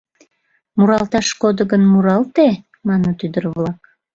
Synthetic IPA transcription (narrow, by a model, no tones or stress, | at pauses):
muɾɑlt̪ɑʃkod̪əɡənmuɾɑlt̪e | mɑnot̪yd̪ərβlɑk